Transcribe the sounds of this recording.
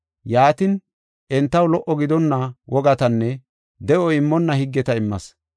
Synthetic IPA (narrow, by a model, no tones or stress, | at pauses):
jaːt̪ɪn | ʔɛnt̪ːɐwlɔʔɔɡɪd̪ɔnːɐwʔɔɡɐt̪ɐnːɛ | d̪ɛʔɔɪmːɔnːɐhɪɡːɛt̪ɐɪmːɐs